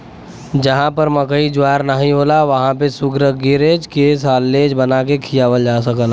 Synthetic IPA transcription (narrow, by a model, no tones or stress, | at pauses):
d͡ʒɐɦãpɐɾməkəid͡ʒʊaːɾnəɦĩɦoːlaʋɐɦãpesʊɡɾəɡɪɾeːd͡ʒkes̬aːlːeːd͡ʒbɐnaːkekʰijaːʋəld͡ʒaːs̬əkəl